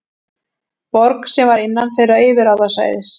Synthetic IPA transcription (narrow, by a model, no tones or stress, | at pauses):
pɔɾksɛmvaɾɪnːanfejɾaɪːvɪɾawðasa̰ːjðɪ